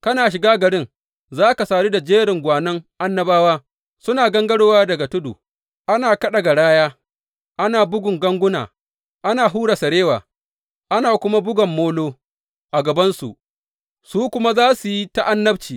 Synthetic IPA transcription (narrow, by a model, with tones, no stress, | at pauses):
kɐ˦naː˨ʃ̬ɪ˨ɡaː˦ɡɐ˨ɽɪ˦ŋ | zaː˦ka˨saː˨ɾiː˦da˨d͡ʒeː˦ɾɪ˨ŋɡʷaː˨nɐ˦ŋʔa˦nːɐ˦baː˦waː˦ | sʊ˦naː˨ɡɐ˦ŋɡɐ˦ɽoː˦waː˦dɐ˨ɡa˨tʊ˦dṵ˨ | ʔa˦naː˨kɐ˦ɗa˨ɡa˨ɽaː˦jaː˦ | ʔa˦naː˨bʊ˦ɡʷʊ˨ŋɡɐ˦ŋɡʷʊ˦na̰ː˨ | ʔa˦naː˨ɦuː˦ɽa˨sɐ˨ɽeː˦waː˨ | ʔa˦naː˨kʷʊ˦ma˦bʊ˦ɡɐ˨mːoː˦loː˦ | ʔa˨ɡɐ˨bɐ˦nsṵ˨ʔ | suː˦kʷʊ˦ma˦zaː˦su˨ji˦ta˦ʔa˦nːɐ˦bt͡ʃiː˨